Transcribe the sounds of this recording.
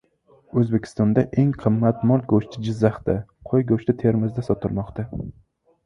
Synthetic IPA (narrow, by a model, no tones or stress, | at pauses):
ɵzbe̞kʲʰɪ̥st̪ɒnd̪aʔeŋqʰɨmːat̪mɒlɡoʃt̪ʰɪd͡ʒɪzːaht̪aqʰojɡoʃlɪt̪ʰeɾmɪzd̪asɒt̪ʰɪlˠmɒqt̪a